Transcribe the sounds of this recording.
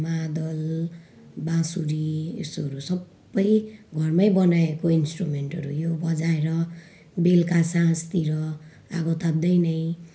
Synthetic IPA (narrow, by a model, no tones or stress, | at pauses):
mad̪ʌl | bãsuɾiḛsoɾusʌbːʌjɡʱʌrmajbʌnaekoinsʈrumeɳʈʌɾujobʌd͡zaeɾʌ | belkasãst̪iɾʌ | a̰ɡʌt̪ab̚d̪ʌjnʌj